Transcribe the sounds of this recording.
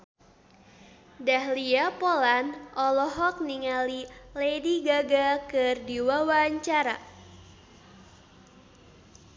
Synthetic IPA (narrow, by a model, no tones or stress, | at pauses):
dahliapolanʔɔlɔɦɔk̚niŋalilediɡaɡakɨrdiwawaɲt͡ʃaɾa